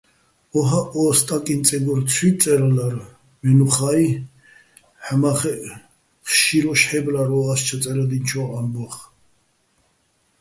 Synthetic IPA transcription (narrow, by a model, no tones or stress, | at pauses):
ɔɦaʔɔst̪ʼakʼint͡sʼɛɡɔɾt͡sʰwit͡sʼɛɾlaɾ | mɛnuχai | ħmaχɛ | χʃiɾɔʃħɛblaɾɔast͡ʃʰat͡sʼɛɾad̪int͡ʃʰɔambɔχ